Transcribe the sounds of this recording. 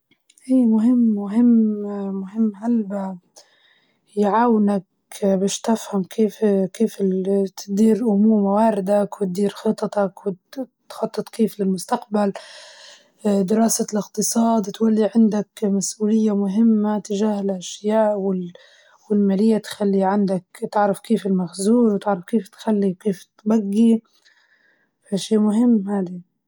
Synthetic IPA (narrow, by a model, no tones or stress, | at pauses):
ʔiːmʊɦɪmːmʊɦɪmːmʊɦɪmːɦalba | jʕaːwnak | bɪːʃt̪ɪfhamkʰeːfkeːfɪt̪ɪd̪iːɾʔʊmuːɾmawaːɾɪd̪akwɪt̪̚d̪iːɾxɨt̪ˤːɑt̪ɑkwɪt̪xɑt̪ˤːɨt̪ˤkeːflɪlmʊst̪aqbal | d̪ɪɾɑːsalɪqt̪ɨsˤɑːd̪t̪walːiʕɪnd̪akmasʔuːlɪjːamʊɦɪmːat̪ɪʒaːhɪlʔaʃjaːʔwɪl | wɪlmaːlɪjːat̪xalːiʕand̪akt̪ɪʕɾɑfkeːfɪlmaxzuːɾwt̪ɪʕɾˤɑfkeːft̪xalːikeːft̪baɡːi | fʔaʃiːmʊɦɪmːhaːd̪i